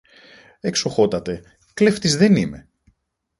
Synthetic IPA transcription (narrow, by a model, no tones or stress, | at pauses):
e̞ksoxo̞t̪ɐt̪e̞ | kleft̪izðe̞nime̞̰